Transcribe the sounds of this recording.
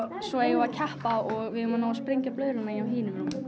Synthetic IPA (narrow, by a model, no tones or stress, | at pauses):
sɔeːjʏaðcʰɛhpaɔɣvɪðhʏmanaːwaspɾɪɲcaplœːðlanaɛnamɦiːnɪvɾum